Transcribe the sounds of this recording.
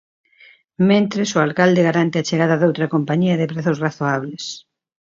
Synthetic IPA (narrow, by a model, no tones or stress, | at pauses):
mẽnt̪ɾesʊalkald̪eɣaɾant̪ɪat͡ʃeɣaðɐðowt̪ɾɐkompaɲiɐðɪpɾeθʊsraθoaβ̞les